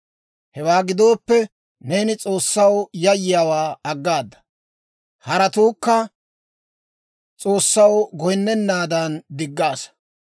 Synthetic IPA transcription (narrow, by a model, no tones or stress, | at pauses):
hɛwaːɡɪd̪o̞ːpːɛ | ne̞ːnɪt͡sʼo̞ːsːɐwjɐjːɪjaːwaːɐɡːaːd̪ːɐ̥ | hɐɾɐt̪uːkːɐ | t͡sʼo̞ːsːɐwɡɔjɪnːɛnːaːd̪ɐnd̪ɪɡːaːs